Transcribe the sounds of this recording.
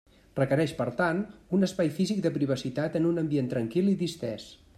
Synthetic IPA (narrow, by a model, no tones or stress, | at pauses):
rəkəɾɛʃpəɾt̪anunəspajfizik̚d̪əpɾiβ̞əsit̪at̪ənunəmbient̪ɾəŋkilˠiðist̪ɾɛs